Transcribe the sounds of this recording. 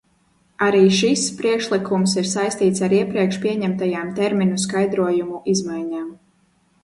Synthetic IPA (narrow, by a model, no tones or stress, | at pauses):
aɾiːʃispɾiɛkʃlˠikʰumsiɾsajst̪iːt̪saɾiɛpɾiɛkʃpiɛɲɛmt̪ajaːmt̪ɛɾmiɲuskajd̪ɾuɔjumuʔizmajɲaːm